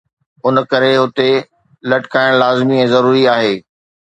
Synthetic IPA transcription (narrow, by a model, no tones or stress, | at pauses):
ʊnkɐɾeɦʊt̪e | lɐʈɪ̥kaːɪɽ̃laːzmĩzɐɾuːɾiaːɦeː